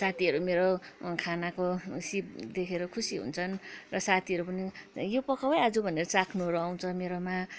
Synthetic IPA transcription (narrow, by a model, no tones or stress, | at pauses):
sat̪ʰiɦʌɾumeɾokʰanakosip̚d̪ekʰeɾʌkʰusiɦṵnt͡sʰʌnrʌsat̪ʰiɦʌɾupʌnijopʌkʰawajad͡zubʱʌneɾʌt͡sakʰnuɦʌɾuaw̃t͡sʰʌmeɾoma